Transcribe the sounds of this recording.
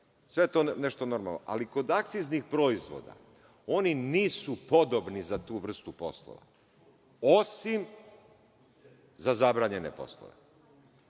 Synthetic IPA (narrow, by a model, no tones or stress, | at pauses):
sʋe̞jet̪oneʃt̪ono̞ɾmalnoʔaliko̞d̪ak̚t̪siznixpɾo̞izʋo̰d̪a̰ | o̞niniːsupo̞d̪obnizat̪uːʋr̩st̪upo̞̰slˠo̰ʋa̰ | osim | zazabɾaːɲe̞nḛpo̞̰slˠo̰ʋḛ